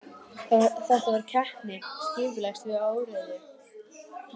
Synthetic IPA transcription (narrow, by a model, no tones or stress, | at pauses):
aθɛht̪avaɾ̥cʰɛhpnɪscɪːpʏlajst̪vɪðaːwɾʏnɪ